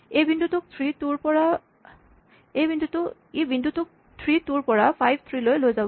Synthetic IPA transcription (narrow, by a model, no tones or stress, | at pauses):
ejbʱind̪ʱutuk̚t̪ʰɹituɹpɔɹa | ejbindʱuto | ebʱindʱut̪uk̚ | t̪ʰɹituɹpɔɹafʰajbʱt̪ʰɹilojlojzab